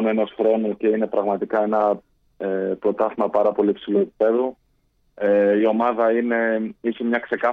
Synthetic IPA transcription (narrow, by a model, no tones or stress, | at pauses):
nue̞no̞sxɾo̞nuce̞ine̞pɾɐɣmɐt̪ikɐe̞nɐ | epɾo̞t̪ɐθimɐpɐɾɐpo̞lipsilue̞p̚i̥pe̞ðu | eio̞mɐðɐine̞isemɲɐkse̞kɐ